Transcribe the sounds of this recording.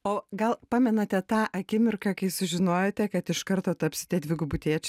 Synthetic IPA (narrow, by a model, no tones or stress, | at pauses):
oːɡɐlˠpɑːmʲɛnɐt̪ʲɛt̪ɑːʔɐkʲɪmʲɪrkɐkɐɪsʊʒʲɪnoːjoːt̪ʲɛkɐt̪ɪʃkɐɾt̪oːt̪ɐpʲsʲɪt̪ʲiɛd̪ʲʋʲɪɡʊbʊt̪ʲiːɛt͡ʃʲ